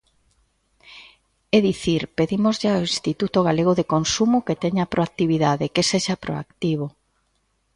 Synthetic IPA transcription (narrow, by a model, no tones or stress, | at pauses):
eðiθiɾpeðimozʎɪaoinst̪it̪ut̪oɣaleɣ̞oðekonsumʊket̪eɲapɾʔoak̚t̪iβiðaðekeseʃapɾo̰a̰kt̪iβ̞o